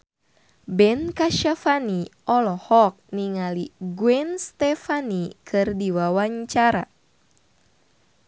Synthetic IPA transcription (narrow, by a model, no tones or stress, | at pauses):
bɛnkaʃafaniʔɔlɔhɔk̚niŋaliɡwɛnst̪ɛfanikʰɨrdiwawaɲt͡ʃaɾa